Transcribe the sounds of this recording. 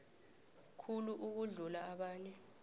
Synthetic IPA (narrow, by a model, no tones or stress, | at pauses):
kʰuluʔuk̬uɮulaaɓaːɲɛ